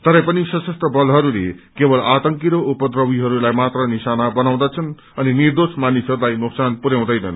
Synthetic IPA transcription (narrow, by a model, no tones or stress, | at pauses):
t̪ʌɾʌpʌnisʌsʌsʈ̪rʌbʌlɦʌɾulḛkebʌlat̪ʌŋkiɾoupʌd̪rʌwiɦʌɾulajmat̪rʌnisanabʌnaw̃d̪at͡sʰʌn | ʌninird̪osmanisɦʌɾulajnuksanpuɾjaw̃d̪ʌjnʌ̰n